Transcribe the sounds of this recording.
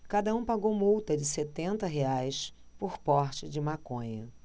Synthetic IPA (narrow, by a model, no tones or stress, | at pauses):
kad̪ɐũpaɡowmuwt̪ɐd͡ʒɪset̪ẽnt̪ɐɦeajs | pʊɾpɔɾt͡ʃɪd͡ʒɪmakõɲɐ